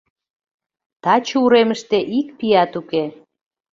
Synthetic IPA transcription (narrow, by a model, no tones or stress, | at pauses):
t̪ɑt͡ɕuɾeməʃt̪eʔikpiɑt̪uke